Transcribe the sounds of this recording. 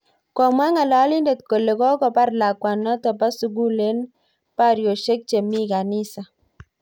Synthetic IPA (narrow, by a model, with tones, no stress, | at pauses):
kɔ˨mwa˦ŋa˨lɔ˨˦li˦nde˨t̪ko˨le˨kɔ˦kɔ˨pa˦rla˨kwa˨nɔ˦t̪ɔ˨pa˦su˨ɡu˦le˦n | pa˦ɾjo˨ʃe˦k̚t͡ʃe˨mi˦ka˨nɪ˦sa˨